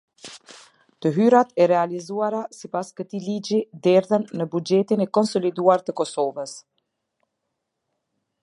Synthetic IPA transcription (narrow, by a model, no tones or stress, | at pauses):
t̪əɦyɾat̪ɛɾɛalizuaɾasipaskət̪ilid͡ʒid̪ɛɾðənːəbud͡ʒɛt̪inɛkɔnsɔlid̪uaɾt̪əkɔsɔvəs